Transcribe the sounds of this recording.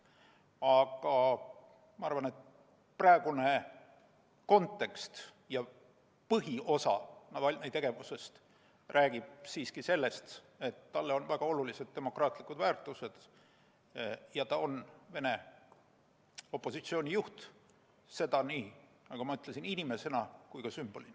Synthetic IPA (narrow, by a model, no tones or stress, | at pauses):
ɑɡ̥ɑ | mɑɑrvɑne̞t̪ | prɑeɡ̥une | ko̞nt̪ːˑe̞kst̪ | jɑ | pɤɦio̞sɑ̰nɑvɑlʲnet̪e̞ɡ̥e̞vuse̞st̪ | rʔæːɡ̥ib̥̚siːskise̞lːe̞st̪ | e̞t̪ːɑlːeo̞nvæɡ̥ɑo̞lulise̞d̪̥̚ːe̞mo̞krɑːt̪ˑlikːˑud̪væːrt̪ˑuse̞d̪̥ | jɑt̪ɑo̞nve̞ne̞ | o̞pːˑo̞sit̪sio̞ːnʲijuht̪ | se̞d̪̥ɑniː | nɑɡ̥ɑmɑyt̪lesininʲime̞se̞nɑkujkɑsymb̥o̞lin